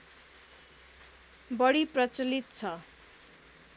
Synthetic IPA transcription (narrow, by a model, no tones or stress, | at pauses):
bʌɽiprʌt͡sʌlit̪̚t͡sʰʌ